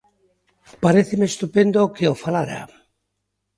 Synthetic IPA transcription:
paɾeθemest̪upend̪okeofalaɾa̰

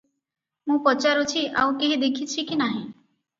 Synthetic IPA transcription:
mũpɔt͡ʃaɾot͡ʃʰia̰ukeɦid̪ekʰit͡ʃʰikinaɦĩ

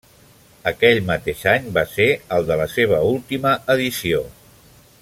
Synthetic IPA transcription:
əkɛʎmət̪eʃaɲbaseəlˠd̪ələseβ̞əulˠt̪iməəðisio

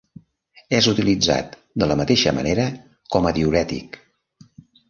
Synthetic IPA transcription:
ɛzut̪ilid͡za̰t̪ | d̪ələmət̪eʃəmə̰neɾə | kɔməðiuɾɛt̪ḭk

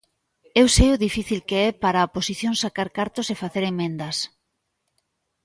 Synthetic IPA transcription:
ewsejʊðifiθilkeɛpaɾaposiθjõŋsakaɾkaɾt̪osefaθeɾemẽnd̪ɐs

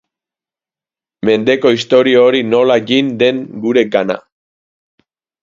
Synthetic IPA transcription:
me̞nd̪e̞ko̞ist̪o̞ɾioɾino̞laɡind̪e̞ŋɡuɾe̞ɡana̰

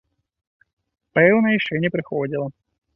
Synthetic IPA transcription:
pɛlˠnəɪʂɛnʲɪpɾʲɪxodʲilˠə

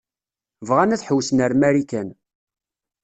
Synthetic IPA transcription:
vʁænæθħəwːsnəɾmæɾikæn

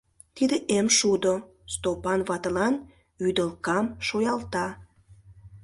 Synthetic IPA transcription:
t̪id̪eʔemʃud̪o | st̪opɑnβɑt̪əlɑn | yd̪əlkɑmʃojɑlt̪ɑ

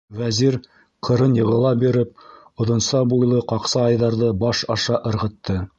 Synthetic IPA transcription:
wæziɾ | qʰɤ̆ɾɤnjɤ̆ʁɤ̆lˠɑbiɾɘp̚ | ŏðŏnsɑbujlˠɤqɑqsɑɑjðɑɾðɤbɑʃɑʃɑʔɤ̆ɾʁɤ̆t̪ːɤ

